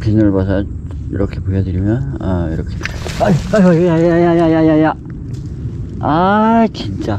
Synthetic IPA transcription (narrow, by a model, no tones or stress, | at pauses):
pinɯɭbasʰʌ | ḭɾʌkʰepujʌdɯɾimjʌnʌiɾʌkʰepaaajjajjajajajajaja | at͡ɕint͡ɕ͈a